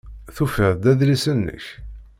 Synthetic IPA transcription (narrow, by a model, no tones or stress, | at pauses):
θufəðd̪æðlisənːə̰ç